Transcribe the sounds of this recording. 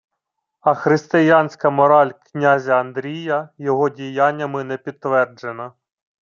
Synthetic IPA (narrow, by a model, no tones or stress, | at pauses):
ɐxɾɪst̪ɪjɑnʲsʲkɐmɔɾɑlʲknʲazʲɐɐnd̪ɾʲijɐjɔɦɔdʲijɑnʲːɐmɪnɛpʲid̪t̪ːʋɛrd͡ʒenɐ